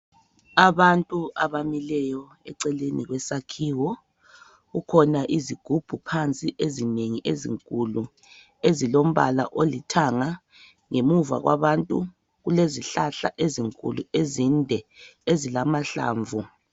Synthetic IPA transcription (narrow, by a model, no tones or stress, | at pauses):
aβantʼuaβamilɛjɔ | ɛ̰ǀɛleniɣwɛsakʰiːwɔ | ɣukʰɔnaʔiziɡ̥ʱub̥ʱupʰant͡sʼiʔezineŋiʔezḭŋkʼulu | ezilom̩βa̰la̰ʔolitʰaŋa | ŋemuva̰ɣwa̰βantʼu | ɣuleziɬaɬa̰ʔeziŋkʼṵluezindʱɛezilamaɬa̰ːɱvʱu